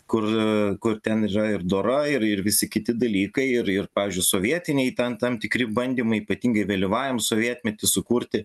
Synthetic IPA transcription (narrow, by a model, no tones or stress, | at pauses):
kʊrkʊrt̪ʲɛniːɾɐɪrd̪oːɾɐɪɾɪɾʋʲɪsʲɪkʲɪt̪ʲɪd̪ɐlʲiːkɐɪɪrɪrpɑːʋʲɪːzʲd͡ʒʲʊɪsoːʋʲiɛt̪ʲɪnʲɛɪt̪ʲɛnt̪ɐmt̪ʲɪkɾʲɪbɐnʲd̪ʲiːmɐɪiːpɐt̪ʲiːŋɡɐɪʋʲɐlʲɪʋɑːʋʲɪmsoːʋʲiɛt̪ʲmʲɛt̪ʲɪsʊkuːɾʲt̪ʲɪ